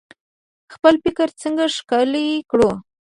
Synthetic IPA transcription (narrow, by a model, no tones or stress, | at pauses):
xpəlpɪkəɾt͡səŋɡaʂkɑlikɽo